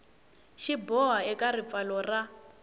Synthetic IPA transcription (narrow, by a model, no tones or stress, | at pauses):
ʃibɔɦaɛkʼarip̪falɔra